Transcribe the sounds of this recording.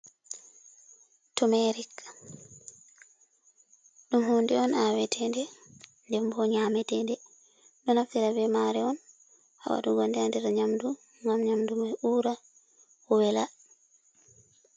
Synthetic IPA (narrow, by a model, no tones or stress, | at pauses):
tumɛɾik | ɗumhundɛɔnawɛtʰɛndɛndɛmbɔɲaːmɛtɛndɛ | ɗɔnaftiɾabɛmaɾɛɔn | a̰wa̰ɗuɡandɛandɛɾaɲamdu | ŋɡamɲamdumɛuːɾa | ɔwɛla